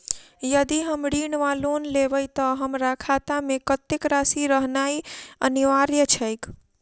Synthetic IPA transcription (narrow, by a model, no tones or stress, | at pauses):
jəd̪iɦəmɽiɳʋalonlebəjt̪əɦəmɾakʰat̪amekət̪ekɾasiɾəɦnaiəniʋaɾjət͡ʃʰəjk